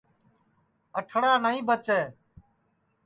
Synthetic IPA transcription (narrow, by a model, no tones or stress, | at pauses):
əʈʰɽaːnəĩːbət͡ʃɛː